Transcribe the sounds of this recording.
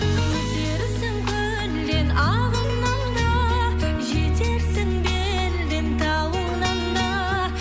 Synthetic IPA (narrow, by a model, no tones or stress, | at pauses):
ɵzd̪eɾɪsɪŋkʲʰɵ | ɾld̪e̞nɑ | ʁəlˠnɑnd̪ɑ | ʒe̞t̪e̞ɾsɪŋbe | ɾd̪ent̪ʰɑwəlˠnɑnd̪ɑ | ɾ